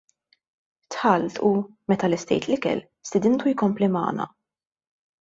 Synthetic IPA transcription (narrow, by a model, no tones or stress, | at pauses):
t̪ħɐlt̪ʰu | mɛt̪ɐlɪst̪ɛ̰jt̪lɪkɛ̰l | st̪ɪd̪ɪnt̪ujkɔmplimɐ̰ːnɐ̰